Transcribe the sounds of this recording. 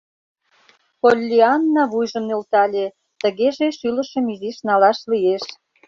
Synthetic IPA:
polʲːiɑnːɑβujʒəmnølt̪ɑlʲe | t̪ə̆ɣeʒeʃylə̆ʃə̆miziʃnɑlɑʃlijeʃ

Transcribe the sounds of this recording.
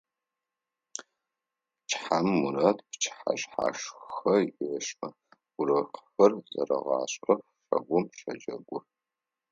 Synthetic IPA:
t͡ʃʰʼħamːuɾɐtpt͡ʃʰħa̰ɕʼħa̰ʂxɐɪɐʃmɐ | ʊrɐqfʷɐrzɐrɐʁɑ̰ːɕʼɐx | ʂɐ̰ɡʷʊmʃɐd͡ʒɐɡʷʊr

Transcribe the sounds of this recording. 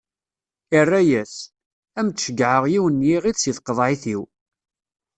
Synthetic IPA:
irːæjæs | æmt͡s̪ʃəɡʕəʁjiwənːjiʁiðsjiθqəðˤʕiθiw

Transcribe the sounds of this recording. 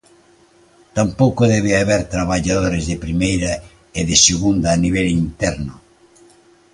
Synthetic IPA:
t̪ampowkʊðɛβ̞eaβɛɾt̪ɾaβaʎaðoɾezðɪpɾimejɾɐ | eðɪseɣund̪ɐːniβɛlint̪ɛɾnʊ

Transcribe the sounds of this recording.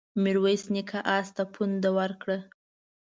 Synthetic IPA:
mɪɾwajsnikʰaʔɑst̪apʰund̪awaɾkɽə

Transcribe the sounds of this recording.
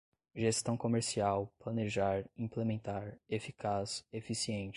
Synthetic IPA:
ʒest̪ɐ̃w̃komeɾsiawplɐneʒaɾĩplemẽnt̪aɾefikasefisiẽnt͡ʃ

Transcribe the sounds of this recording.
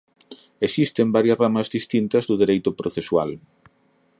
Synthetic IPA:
esist̪embaɾjɐzramɐzðist̪int̪ɐzðʊðeɾejt̪ʊpɾoθeswa̰l

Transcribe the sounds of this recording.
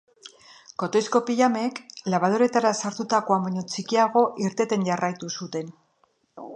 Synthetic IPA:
ko̞t̪oisko̞piʎame̞klaβ̞að̞oɾe̞t̪aɾasaɾt̪ut̪ako̞ambaɲo̞t͡sikiaɣo̞ʔiɾt̪e̞t̪e̞ɲʝarajt̪usut̪e̞n

